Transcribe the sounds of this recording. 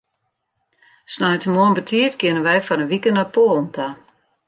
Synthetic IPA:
snɔjtəmoənbətʰiətkjɪnənʋɛjfɔɾənʋikənapoːlˠnta

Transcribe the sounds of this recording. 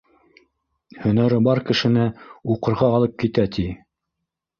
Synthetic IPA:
hɵ̆næɾɘbɑɾkɘ̆ʃɘ̆nɘuqɤ̆ɾʁɑːlˠɤp̚kit̪æt̪ʰi

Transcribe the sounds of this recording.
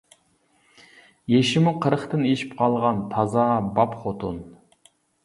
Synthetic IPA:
jeʃɪmuqʰəɾəχt̪ɨneʃi̥pqʰɑlˠʁɑnt̪ʰɑzɑbɑpχot̪ʰun

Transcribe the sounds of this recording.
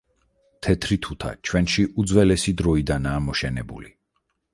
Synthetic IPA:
t̪ʰɛt̪ʰɾit̪ʰut̪ʰa̰t͡ʃʰwɛnʃiʔud̪zwɛlɛsid̪ɾɔid̪anaːmɔʃɛnɛbṵli

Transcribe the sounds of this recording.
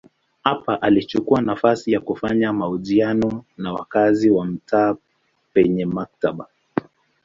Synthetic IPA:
hapaʔalit͡ʃukuanafasijakufaɲamauʄianɔnawa̰kaziwam̩tʰaː | pɛɲɛmak̚taɓa

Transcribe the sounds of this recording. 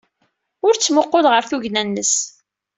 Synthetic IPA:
ʊɾt͡sːmʊqːolʁəɾθuʝnænːəs

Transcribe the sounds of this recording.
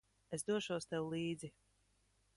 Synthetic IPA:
esd̪uɔʃuɔst̪ɛwlˠiːd̪zi

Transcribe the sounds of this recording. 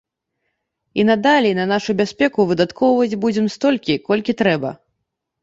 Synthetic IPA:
inɐd̪alʲɛnɐnaʂubʲasʲpʲɛkuvɨd̪at̪kʰɔwvɐd͡zʲbud͡zʲɛmst̪ɔlʲkʲikɔlʲkʲit̪ɾɛbɐ̰

